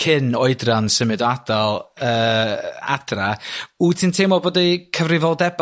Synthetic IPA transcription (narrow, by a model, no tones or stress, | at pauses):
kʰɪnɔɨdransəmɨdɔadalˠəːa̰d̥rautʰiːntʰemɔboːdikʰəvrɪvɔlˠdɛb